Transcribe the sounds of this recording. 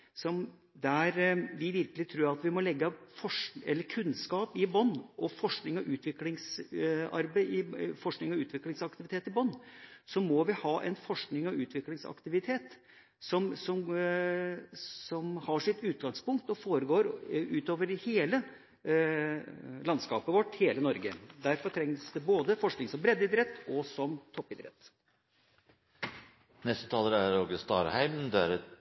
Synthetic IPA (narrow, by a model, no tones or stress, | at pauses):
sɔm | d̪æɾʋɪʋɪɾkəlɪt̪ʰɾuːɾɑt̪ʋɪmɔlɛɡːəfɔʂɛlːəɾkʰʉnːskɑːpɪbɔnːʔɔfɔʂknɪŋɔʔʉːt̪ʰʋɪklɪŋsɑ̰ɾbɪfɔʂknɪŋɔʉːt̪ʰʋɪklɪŋsɑkt̪ɪʋɪt̪ʰeːt̪ɪbɔnːsɔmɔʋɪhɑːʔɛ̰nfɔʂknɪŋɔʉːt̪ʋɪklɪŋsɑ̰kt̪ɪʋɪt̪ʰeːt̪ | sɔmsɔm | sɔmhɑʂɪt̪ʉːt̪̚ɡɑŋspʊŋk̚t̪ɔfoːɾəɡoːɾʉːt̪oːʋəɾheːlə | lɑnskɑːpəʋɔʈːheːlənɔɾɡə̰d̪æɾfɔʈ̪ʰɾɛŋsd̪ɛboːd̪əfɔʂknɪŋsɔmbɾɛd̪ɪd̪ɾɛt̪ːɔsɔmt̪ʰɔpːɪd̪ɾɛ̰t̪ː | nɛst̪ət̪ʰɑːləɾæɾoɡəst̪ɑ̰ːɾhæɪmnd̪ɛæɾɛ